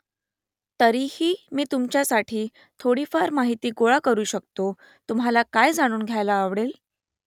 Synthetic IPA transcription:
t̪əɾihiːmiːt̪umt͡ɕjasaʈʰiː | t̪ʰoɽiːfəɾmaɦit̪iːɡoɭakəɾuːɕəkt̪o | t̪um̤alakajd͡zaɽ̃uːnɡʱjajlaːʋɽel

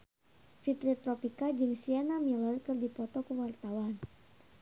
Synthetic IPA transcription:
fit̪ɾit̪ɾɔpikad͡ʒɨŋsianamilɔrkɨrdipɔt̪ɔkuwart̪awan

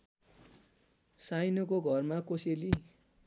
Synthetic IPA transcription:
sajnʌkoɡʱʌrmakoseli

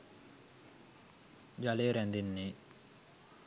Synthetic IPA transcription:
d͡ʑaleɾand̪inːi

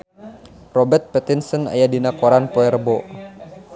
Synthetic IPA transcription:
rɔbərt̪̚pɛt̪insəna̰jadinakɔɾanpoɛrbɔ

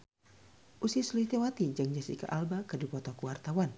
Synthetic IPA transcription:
ʔusisliht̪ewat̪id͡ʒaŋd͡ʒasḭka̰ʔalbakədipɔt̪ɔkuwart̪awan

